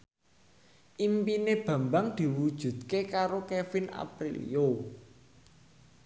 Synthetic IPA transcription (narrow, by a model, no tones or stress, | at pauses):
ʔimpineb̥ä̤mbaŋd̪̥i̤wud̥ʒ̥ṳd̪kekaɾokefina̰pɾilḭjo